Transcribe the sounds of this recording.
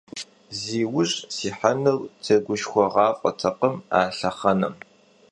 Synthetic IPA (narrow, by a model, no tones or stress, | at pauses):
ziːwʊʑʼsiːħanɨlt͡sʰɐɡʷʊʃxʷɔʁɑːfʷʼɐ̰tʰɐqəma̰ːɬɐχɐnɐ̰m